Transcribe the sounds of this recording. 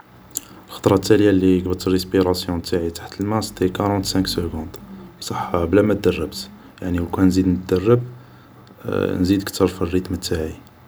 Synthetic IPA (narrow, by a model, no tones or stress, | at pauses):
əlxɑ̥t̪ˤɾˤɑt̪ːæljalːiəɡbət̪ərəspiɾɑsjɔ̃t̪aʕit̪ḁħt̪əlmæst̪ekɑɾˤɑ̃t̪sæ̃ksəɡɔ̃nd̪bsˤɑħɑblæmæt̪̚d̪ərˤːəbt̪ | jaʕniwkunzid̪nət̪̚d̪ərˤːəb | nzid̪əkt̪ʰəɾˤfirːit̪mət̪ːaʕi